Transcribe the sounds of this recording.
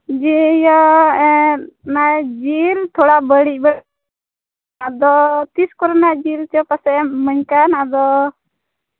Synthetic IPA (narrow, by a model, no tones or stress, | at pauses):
d͡ʒijɔ | najd͡ʒiɾt̪ʰɔɽabəɽiˀbɛɽ | ad̪ɔt̪iskɔɾɔnajd͡ʒiɾt͡ʃɔpasɛməɲkanad̪ɔ